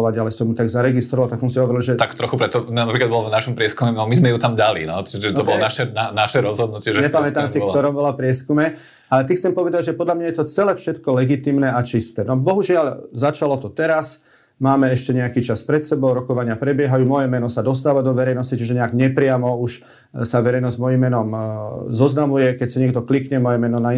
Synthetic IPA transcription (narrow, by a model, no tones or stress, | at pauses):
ʋaɟalɛsɔmjut̪aɡzaɾɛɡist̪ɾɔʋalt̪aɡsɔnsiɦɔʋɔɾilʒɛt̪akt̪ɾɔxupɾɛt̪ɔmnapɾiklad̪bɔlɔvnaʃɔmpɾɪɛskumɛnɔmizmɛjut̪amd̪alḭnɔt͡ʃiʒɛt̪ɔbɔlɔnaʃɛnanaʃɛɾɔzɦɔd̪̚nucɪɛʒɛɲɛpamɛt̪amsikt̪ɔɾɔmbɔlapɾɪɛskumɛ | alɛt̪ixt͡sɛmpɔʋɛd̪aɟʒɛpɔd̪ʎlamɲajɛt̪ɔt͡sɛlɛːfʃɛt̪kɔlɛɡit̪iːmnɛat͡ʃist̪ɛːnɔbɔɦuʒɪalzat͡ʃalɔt̪ɔt̪ɛɾas | maːmɛɛʃcɛɲɛakit͡ʃaspɾɛt̪sɛbɔʊɾɔkɔʋaɲɪapɾɛbɪɛɦajuːmɔjɛmɛnɔsad̪ɔs̬t̪aːʋad̪ɔʋɛɾɛjnɔscit͡ʃiʒɛɲɛaɡɲɛpɾɪamɔuʃ | saʋɛɾɛjnɔzzmɔjimːɛnɔmzɔznamujɛkɛcsiɲɪɛɡd̪ɔklikɲɛmɔjɛmɛnɔna